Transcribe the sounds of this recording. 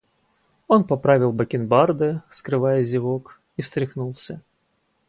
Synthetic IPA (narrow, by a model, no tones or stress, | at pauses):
o̞npɐpɾavʲɪlˠbəkʲɪnbard̪ɨskɾɨvajəzʲɪvok | ifst̪ɾʲɪxnulˠsʲə